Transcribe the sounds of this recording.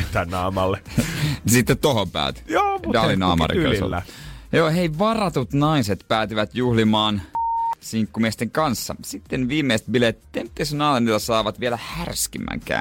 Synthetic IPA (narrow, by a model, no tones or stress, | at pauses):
t̪ænɑːmɑlːensit̪ːet̪tohompæ̰ːt̪joːdɑlːinɑːmɑ̰rḭŋkɑ̰nso̰æjoːheiʋɑrɑt̪ut̪nɑiset̪pæːt̪iʋæt̪juhlimɑːnsiŋkːumiest̪eŋkɑnsːɑ̰sit̪ːenʋiːmːeist̪̚bilet̪t̪ːemt̪ːesnɑːlenilɑsɑːʋɑt̪ʋielæhærskimːæ̰ŋkæ̰ː